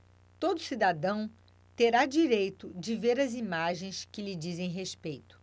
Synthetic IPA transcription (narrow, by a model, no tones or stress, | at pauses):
t̪od̪ʊsid̪ad̪ɐ̃w̃ | t̪eɾad͡ʒiɾejt̪ʊd͡ʒɪveɾɐzimaʒẽj̃skɪlɪd͡ʒizẽj̃ɦespejt̪ʊ̥